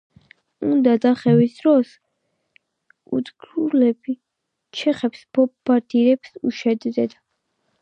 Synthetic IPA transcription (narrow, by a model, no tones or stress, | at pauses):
ṵnd̪ad̪aχɛvisd̪ɾɔs | ṵd̪ɡɾulɛbi | t͡ʃʰɛχɛpsbʰɔpːaɾt̪ʰʼiɾɛpsuʃɛd̪d̪ɛd̪a